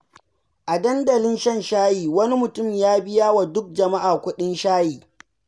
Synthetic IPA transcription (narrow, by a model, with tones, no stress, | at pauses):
ʔa˨dɐ˦ndɐ˨lɪ˦nʃɐ˦nʃaː˦jiː˨wɐ˦ni˦mʊ˨tʊ˦mjaː˦bɪ˦jaː˦wa˨dʊ˦k̚d͡ʒɐ˨ma˦ʔaː˨kʷʊ˦ɗɪ˦nʃaː˦jiː˨